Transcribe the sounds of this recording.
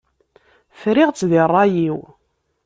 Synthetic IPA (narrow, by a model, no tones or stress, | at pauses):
fɾɪʁt͡sːðirˤːɑjiw